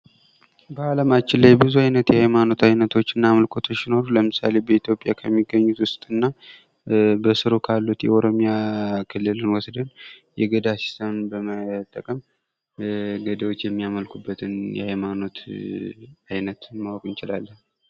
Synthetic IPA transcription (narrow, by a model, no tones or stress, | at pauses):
bəaləmat͡ʃːɪnlajbɨzuajnət̪jɛhajmano̞t̪ajnət̪ʰo̞t͡ʃːɨnːaːməlkʰo̞t̪ʰoːino̞ɾuləmɨsa̰le̞bəit̪ʰjo̞pʼjakʰəmːiɡːəɲːut̪wʊst̪ʼɨnːa | bəsɨɾokʰalːut̪jɛoɾo̞mijakʰɨlːɨlɨnwɔsd̪ənjɛɡəd̪asi̥st̪ʰemnbəmət̪ʼːəkʼəm | ɡəd̪əwot͡ʃːjɛmːijaməlkʰubːət̪ʰɨnjɛ̰hajmano̞t̪ | ajnət̪mawɔkʼɨnt͡ʃɪlalːəh